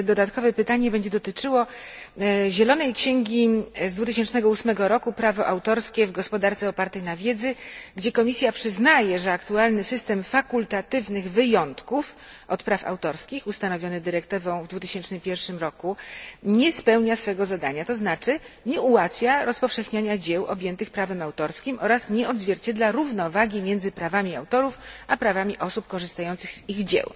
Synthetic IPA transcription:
d̪ɔd̪at̪kɔvɛpɘt̪aɲɛbɛɲd͡ʑɛd̪ɔt̪ɘt͡ʂɘwɔ | ʑɛlɔnɛjkɕɛŋɡʲizd̪vut̪̬ɘɕɛnt͡ʂnɛɡɔusmɛɡɔɾɔkupɾavɔʔawt̪ɔɾskʲɛvɡɔspɔd̪aɾt̪sɛɔpaɾt̪ɛjnavʲjɛd̪zɘɡd͡ʑɛkɔmʲisʲjapʂɘznajɛʐɛakt̪ualnɘsɘst̪ɛmfakult̪at̪ɘvnɘɣvɘjɔnt̪kuf | ʔɔt̪pɾafa̰wt̪ɔɾskʲixust̪anɔvʲjɔnɘd̪ɘɾɛkt̪ɘvɔ̃w̃vd̪vut̪ɘ̥ɕɛnt͡ʂnɘmpʲjɛɾfʂɘmɾɔkuɲɛspɛwɲasfɛɡɔzad̪aɲat̪ɔznat͡ʂɘ | ɲɛuwat̪fʲjaɾɔspɔfʂɛxɲaɲad͡ʑɛwʔɔ̰bʲjɛnt̪ɘxpɾavɛmawt̪ɔɾskʲimʔɔɾasɲɛɔd̪zvʲjɛɾt͡ɕɛd̪laɾuvnɔvaɡʲimʲjɛnd̪zɘpɾavamʲiawt̪ɔɾufapɾavamʲiʔɔsupkɔʐɘst̪ajɔnt̪sɘɣziɣd͡ʑɛ̰w

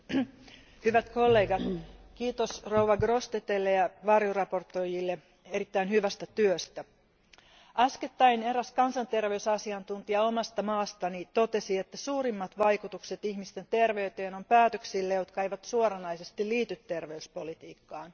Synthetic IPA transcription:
hyʋæt̪kolːe̞ːɡɑt̪kiːt̪osrouʋɑɡrost̪et̪elːejɑʋɑrjorɑpo̞rt̪ːojilːe | eɾit̪ːæinhyʋæst̪æt̪yøst̪æ | ɑsket̪ːɑineɾæskɑnsɑnt̪e̞rʋeysɑsiɑnt̪unt̪iɑomɑst̪ɑmɑːst̪ɑnit̪o̞t̪e̞siet̪ːæsuːɾimːɑt̪ʋɑjkut̪ukset̪ihmist̪e̞nt̪e̞rʋe̞yt̪eːnompæːt̪øksilːejo̞t̪kɑjʋɑt̪suoɾɑnɑjsest̪iliːt̪yt̪ːe̞rʋeyspolit̪iːkːɑːn

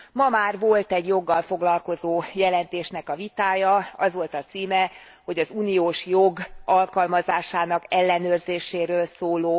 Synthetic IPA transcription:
mɒmaːrʋo̞lt̪ɛɟjo̞ɡːɒlfo̞ɡlɒlko̞zoːjɛlɛn̪t̪eːʃnɛkɒvit̪aːjɒɒzʋo̞lt̪ɒt̪siːmɛ | ho̞ɟɒzuːnioːʃjoɡɒlkɒlmɒzaːʃaːnɒkɛlːɛnøːrzeːʃeːɾøːlsoːloː

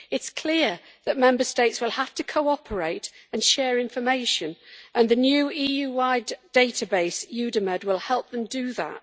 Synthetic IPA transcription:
ɪtskʰl̥ɪə | ðət̚mɛ̃mbəsteɪtswɪlˠhaftʰəkʰoʊɒpʰəɹeɪtə̃nʃɛːɹɪ̃ɱfəmeɪʃə̃nʔə̃nðɨnjʉːiːjʉwaɪddeɪtəbeɪsjʉdəməd̚wɪlˠhɛlˠp̚ðə̃mdəðə̰t̚

